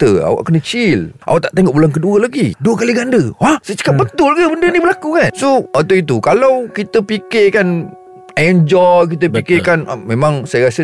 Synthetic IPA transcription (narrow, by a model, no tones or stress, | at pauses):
t̪əa̰wa̰ʔkənət͡ʃilʔa̰waʔt̪aʔt̪eŋɔʔ̚bulankəduəlaɡiduəkaliɡandəwahsət͡ʃə̥kap̚bət̪ʊlkəbəndənibəlakukansoat̪ait̪̬ukalawkit̪əpikɪkan | ɛnd͡ʒɔjk̬it̪̬əpikɪkanʔa̰mẽmãŋsajəɾasə